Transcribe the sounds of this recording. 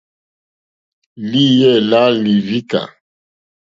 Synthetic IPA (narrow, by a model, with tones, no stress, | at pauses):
li˦jɛ˦˨la˦li˨vi˦ka̰˨